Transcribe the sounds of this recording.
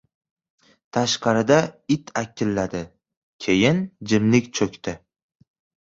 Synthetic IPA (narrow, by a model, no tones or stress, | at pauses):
t̪ʰaʃqɑɾɪd̪aɪt̪ʰakʲːɪlːad̪ɪ | kʲʰe̞jɪnd͡ʒɪmlɪkʲt͡ʃʰɵkʲt̪ɪ